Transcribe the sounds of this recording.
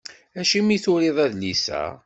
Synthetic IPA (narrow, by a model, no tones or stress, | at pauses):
æʃimiθʊɾeðˤæðlisæ̰